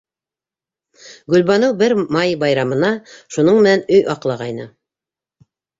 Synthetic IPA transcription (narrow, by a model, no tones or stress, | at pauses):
ɡɵ̆lβɑnɤwbɘɾmɑjbɑjɾɑmɤ̆nɑʃunɤɴmɘ̆nænɵjʔɑqlˠɑʁɑjnɤ̰